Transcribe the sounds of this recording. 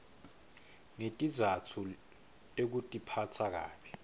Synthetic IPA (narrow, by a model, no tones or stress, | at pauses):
ŋetʼizatʰu | tʼek̬utʼipʰatʰak̬a̰ːɓi